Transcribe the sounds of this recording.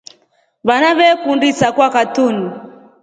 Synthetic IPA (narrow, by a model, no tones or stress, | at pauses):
βanaβɛkundisakwakatuni